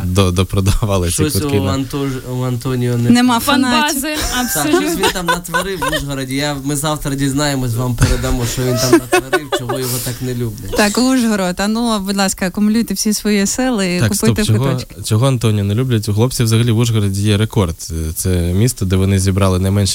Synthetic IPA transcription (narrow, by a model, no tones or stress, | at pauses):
d̪ɔd̪ɔpɾɔd̪ɐʋɑlˠɪʃsʲikʊt̪kɪɐnt̪ɔɐnt̪ɔnʲijɔnɛnɛmɑfɐnɪɐpsʋʲint̪amnɐt̪ʋɐɾɪwuʒɦɔɾɐdʲijamɪzɑwt̪ɾɐdʲiznɑjemɔs̬ʲʋampeɾed̪ɐmɔʃt͡ʃɔʋʲint̪amɐt̪ʋɐɾɪwt͡ʃɔɦɔjɔɦɔt̪ɑknɛlʲublʲɐtʲt̪ɑkuʒɦɔɾot̪ɐnubud̪lˠɑskɐkʊmʊlʲujt̪ɪwsʲisʋɔjisɪlˠɪit̪kp̪pɪɔt̪ɪt͡ʃɔkɦt̪ɔt͡ʃkʲɪt͡ʃɔɦɔɐnt̪ɔnʲijɔnɛlʲublʲɐt̬ʲuɦlˠɔp̚t͡sʲiwzɐɦɐlʲiʋuʒɦɔɾɐdʲijɛɾekɔrd̪t̪sɛmʲist̪ɐd̪ɛʋɔnɪzʲibɾɑlˠɪnɐjmɛnʃ